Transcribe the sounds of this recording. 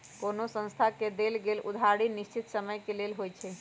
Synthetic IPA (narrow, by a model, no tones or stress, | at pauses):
konosə̃ñst̪ʰaked̪elɡelṵd̪ʱaɽinist͡ʃit̪səməjkelelɦojt͡ʃʰɛ